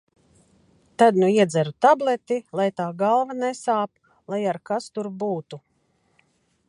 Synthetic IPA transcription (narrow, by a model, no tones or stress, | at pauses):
t̪ad̪nuiɛd̪zæɾut̪ablˠɛt̪ilˠajt̪aːɡalˠvanɛsaːp | lˠajaɾkast̪uɾbuːt̪u